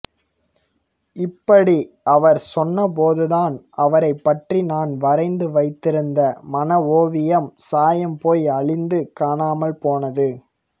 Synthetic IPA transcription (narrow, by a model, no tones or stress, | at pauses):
ɪpːɐɽi | ɐʋɐɾsɔnːɐpoːðɯðaːn | ɐʋɐɾɐɪpːɐʈrinaːnʋɐɾɐɪnd̪ɯʋɐɪt̪ːɪɾɯnd̪ɐmɐnɐoːʋɪjɐmsaːjɐmpoːjɐɭɪnd̪ɯkaːɳaːmɐɭpoːnɐðɯ